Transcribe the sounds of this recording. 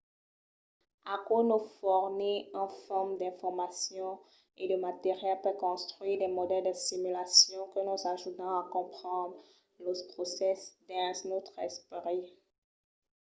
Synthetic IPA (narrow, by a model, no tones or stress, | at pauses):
akonofɔʁniɑ̃fɔʁmd̪ɛ̃fɔʁmasjɔ̃ | ed̪əmat̪eʁjɛlpøkɔ̃st̪χɥiʁd̪ɛmɔd̪ɛld̪əsimylasjɔ̃kənuzaʒut̪ɑ̃akɔ̃pχɑ̃d̪ʁ | lopχosɛsd̪ɛ̃snot̪χɛspʁi